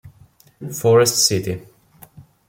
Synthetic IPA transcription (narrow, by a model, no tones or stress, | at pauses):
fɔɹɛstsɪti